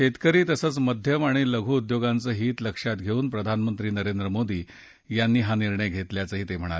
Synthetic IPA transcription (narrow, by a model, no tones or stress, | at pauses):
et̪kəɾiːt̪əsət͡sməd̪ʱjəmaɽ̃iləɡʱuːd̪joɡant͡səːɦiːt̪ləkʂat̪ɡʱeuːnpɾəd̪ʱanmənt̪ɾiːnəɾend̪ɾəmod̪iː | janːiːɦaniɾɳəjɡʱet̪ljat͡səːɦiːt̪em̤əɽ̃alee